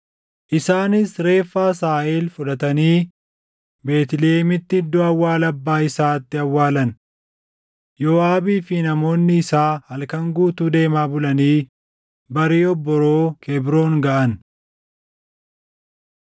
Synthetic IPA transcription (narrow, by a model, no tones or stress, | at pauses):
ʔɪsaːnɪsɾe̞ːfːaːsaːʔeːlfʊᶑɐt̪ɐniː | be̞ːt̪ɪleːmɪt̪ːɪɪd̪ːɔɐwːaːlɐbːaːɪsaːt̪ːɪɐwːaːlɐn | joːaːbiːfɪnɐmo̞ːnːɪːsaːhɐlkɐŋɡuːt̪uːd̪e̞ːmaːbʊlɐniː | bɐɾiːɔbːɔɾoːkʰɛbɾo̞ːŋɡɐʔɐn